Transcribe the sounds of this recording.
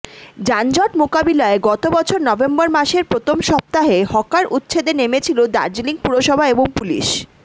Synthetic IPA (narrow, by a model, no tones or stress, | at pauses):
d͡ʑand͡ʑɔʈmokabilaeɡɔt̪obɔt͡ɕʰoɾnɔbembɔɾmaʃeɾpɾot̪ʰomʃɔp̚t̪aɦehɔkaɾʔut̪ːɕʰed̪enemet͡ɕʰilod̪a̰ɾd͡ʑiliŋpuɾoʃɔbʱaeboŋpulḭʃ